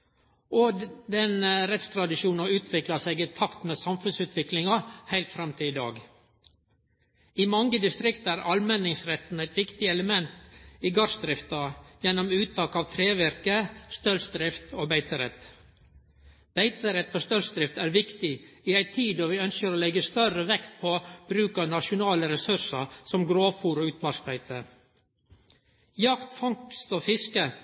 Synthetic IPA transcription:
ʔoːd̪ɛnɾɛt̪st̪ʰɾɑd̪ɪʃuːnɑʉːt̪ʰʋɪklɑseɡɪt̪ʰɑkt̪meːsɑmfʉnsʉːt̪ʰʋɪklɪŋɑhæɪlt̪fɾɛmt̪ʰɪɪd̪ɑ̰ːɡ | imɑŋɡəd̪ɪst̪ɾɪkt̪æːɾɑlmɛnɪŋsɾɛt̪n̩æɪt̪ʋɪkt̪ɪɛləmɛnt̪iːɡɑsd̪ɾɪft̪ɑjɛnːɔmʉːt̪ʰɑːkɑːʋt̪ʰɾeːʋæɾkəst̪œlsd̪ɾɪft̪oːbæɪt̪əɾɛt̪ | b̥æɪt̪əɾɛt̪ːoːst̪œlsd̪ɾɪft̪æːɾʋɪkt̪ɪiːæɪt̪ʰiːd̪oːʋiːœnskəɾoːlɛɡəst̪œrəʋɛkt̪pʰoːb̥ɾʉːkɑnɑʃʊnɑːləɾɛsʉsəsɔmɡɾoːfuːɾoːʉːt̪mɑɾk̪æɪt̪ə | jɑkt̪fɑŋkst̪oːfɪskə

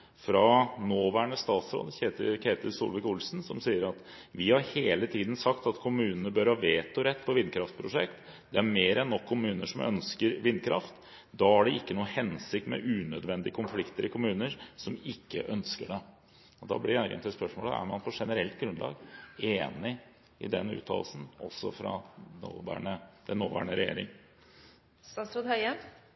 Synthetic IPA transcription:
fɾɑnoːʋæːɳəst̪ɑːt̪sɾo̰ːd̪əç̪kʰeːt̪əɾsʊ̰lʋɪkʊlsn̩sɔmsiːəɾɑt̪ | ʋɪhɑɾheːlət̪ʰiːd̪n̩sɑkt̪ɑt̪kʰʊmʉːnənəbœɾhɑːʋeːt̪ɔɾɛt̪ːpʰɔʋɪnːkʰɾɑft̪pʰɾʊʂɛkt̪ | d̪̥ɛæɾmeːɾɛnːɔkʰːʊmʉːnəʂɔmœ̰nskəɾʋɪnːkʰɾɑ̰ft̪ | d̪ɑæɖɛɪkːənuːəhɛnsɪkt̪mɛ̰ʔʉːnœd̪ʋɛnd̪ɪəkʰʊnflɪkt̪əɾɪkʰʊmʉːnəɾsɔmɪkːə̰ʔœnskəɖɛ | ɔd̪ɑ̰blɪæɾɡə̰nt̪ɪspœʂmoːl̰æ̰ɾmɑnpʰɔʂɛnəɾɛlt̪̚ɡɾʉnd̪lɑ̰ːɡeːnɪ | ɪ̰d̪ɛnːʉ̰ːt̪ʰɑ̰ːlsn̩ɔ̰sːɔfɾɑ̰no̰ːʋæ̰ːɳəd̪ɛnːoːʋæ̰ːɳəɾɛjḛːɾɪ̰ŋ | sɑsɾud̪hœə

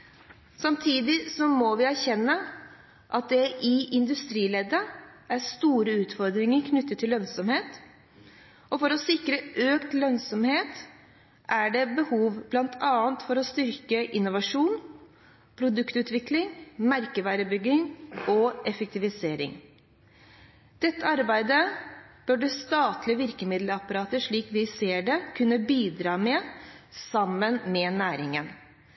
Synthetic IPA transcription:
sɑmt̪ʰiːd̪ɪsɔmɔʋɪæɾçɛnːə | ʔɑt̪̚d̪ɛʔɪʔɪnd̪ʉst̪ɾiːlɛd̪ə | æɾst̪uːɾəʉːt̪fɔɾd̪ɾɪŋəɾkʰnʏt̪ːət̪ʰːɪlːœnsɔmheːt̪ | ɔfɔɾɔsɪkɾəʔøːkt̪lœnsɔmheːt̪ | ʔæɖɛbəhuːʋblɑnt̪ʰɑːənt̪fɔɾɔst̪ʏɾkəʔɪnːʊʋɑʂuːn | pʰɾʊd̪ʉkt̪ʉːt̪ʋɪklɪŋmæɾkəʋæːɾəbʏɡːɪŋɔʔɛfək̚t̪ɪʋɪseːɾɪ̰ŋ | d̪̥ɛt̪ːəɑɾbæɪd̪əb̥œɖʉst̪ɑːt̪lɪəʋɪɾkəmɪd̪ləɑpɑɾɑːt̪əʂɭiːkʋɪseːɖɛkʰʉnːəbiːd̪ɾɑːmɛsɑmːənmɛnæːɾɪŋən

